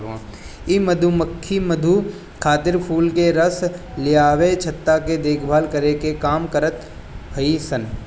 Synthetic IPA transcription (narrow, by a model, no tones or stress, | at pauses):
ãimɐd̪ʱuməkʰːimɐd̪ʱu | kʰaːt̪ɪɾpʰuːlkeɾəslɪjaːʋet͡ʃʰɐt̪ːaked̪eːkʰbʱaːlkəɾekekaːmkəɾət̪ | bʱɐisən